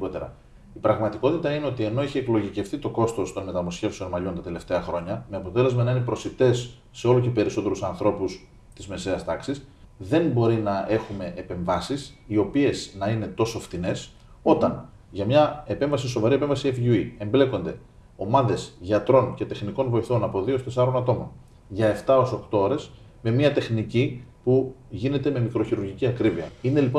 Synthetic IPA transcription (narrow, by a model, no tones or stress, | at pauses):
ot̪eɾɐ̰ | ipɾɐɣmɐt̪iko̞t̪it̪ɐine̞o̞t̪ie̞no̞eçie̞klo̞ʝice̞ft̪it̪o̞ko̞st̪o̞st̪o̞nme̞t̪ɐmosçe̞fse̞o̞nmɐʎo̞nt̪ɐt̪e̞le̞ft̪e̞ɐxɾo̞ɲɐmeɐpo̞t̪e̞le̞zmɐnɐine̞pɾo̞sit̪e̞sː | e̞o̞luce̞pe̞ɾiso̞t̪e̞ɾusɐnθɾo̞pus | t̪izme̞se̞ɐst̪ɐksisðe̞nbo̞ɾinɐe̞xume̞ʔepe̞ɱvɐsisio̞pie̞znɐine̞t̪o̞sofθine̞s | o̞t̪ɐn | ʝɐmɲɐe̞pe̞ɱvɐs̬iso̞vɐɾiepe̞ɱvɐsiefʝuie̞mble̞ko̞nd̪e̞ | o̞mɐðe̞sʝɐt̪ɾo̞nce̞t̪e̞xniko̞nvo̞iθo̞nɐpo̞ðio̞st̪e̞sɐɾo̞nɐt̪o̞mon | ʝɐe̞ft̪ɐoso̞kt̪o̞oɾe̞s | me̞miɐt̪e̞xnicipu | ʝine̞t̪e̞me̞mikɾo̞çiɾuɾʝiciɐkɾiviɐ̰ine̞lipo